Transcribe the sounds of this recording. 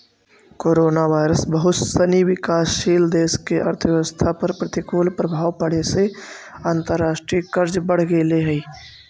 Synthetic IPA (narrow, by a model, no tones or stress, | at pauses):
koːɾoːnaʋaːɪɾəsbəɦʊt̪səniwɪkaːsʃiːld̪eːskeʔɐ̰ɾt̪ʰʋjɛʋəst̪ʰapəɾpɾət̪ɪkoːlpɾəbʱaːwpəɽ̤eseãːnt̪əɾːaːʃʈɾikəɾd͡ʒbəɽ̤ɡeleɦəi